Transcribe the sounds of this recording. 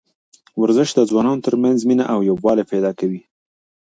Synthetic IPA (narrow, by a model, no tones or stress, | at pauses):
waɾzəʃd̪əd͡zwɑnɑnot̪əɾmanzminaʔawjobwɑleped̪ɑkawi